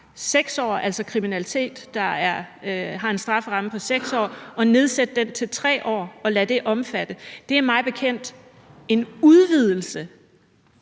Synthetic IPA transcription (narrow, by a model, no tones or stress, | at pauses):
seɡ̥sɒ̰ːʔæl̰sɒkʰʁiminælit͡sʰe̝̰ːd̥ːɑ̈æɐɦɑ̈e̝nsd̥ʁɑ̈fʁɑ̈məpʰɒ̽seɡ̥sɒ̰ːʔɒ̽ne̝ð̞ˠsed̥əd̥ent͡sʰe̝lt͡sʰʁɛ̰ːʔɒ̰ːɒ̽læd̥e̝ʔɒ̽mfæd̥əd̥e̝æɐmɑ̈ɪb̥e̝kʰen̰d̥ | e̝nuð̞ˠʋið̞̰ˠl̩sə